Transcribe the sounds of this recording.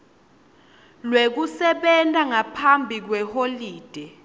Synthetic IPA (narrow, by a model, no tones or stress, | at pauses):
lwek̬usɛɓɛntʼaŋapʰambʱik̬wɛholiːd̥ʱɛ